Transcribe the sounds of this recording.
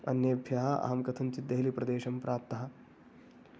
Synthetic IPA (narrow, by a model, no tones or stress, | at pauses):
ɐnjɐɐbʱjɐɦɐa̰ːɐmkɐt̪ʰɐnt͡ʃid̪ːɐɦlipɾɐd̪eːʃɐmpɾʔaːp̚t̪ɐɦɐ̆